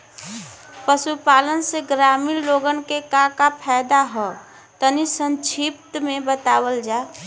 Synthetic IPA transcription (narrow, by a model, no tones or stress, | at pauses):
pəsupaːlənseɡɾamilloɡənkekãkapʰɛɪd̪aɦɔ | t̪ənisə̃nt͡ʃʰip̚t̪mẽbət̪awəld͡ʒa